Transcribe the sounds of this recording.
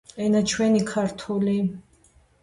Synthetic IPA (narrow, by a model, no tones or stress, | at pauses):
ɛnat͡ʃʰwɛnikʰaɾt̪ʰuli